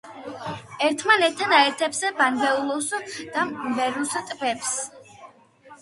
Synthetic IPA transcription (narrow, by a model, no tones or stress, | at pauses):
ɛɾt̪ʰmanɛt̪ʰːanaɛɾt̪ʰɛbsɛbanɡɛulˠusd̪̥amvɛɾust̪ʼbɛps